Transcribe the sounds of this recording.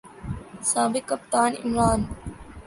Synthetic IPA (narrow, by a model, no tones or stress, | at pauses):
saːbɪkːɐp̚t̪aːnɪ̰mɾaːn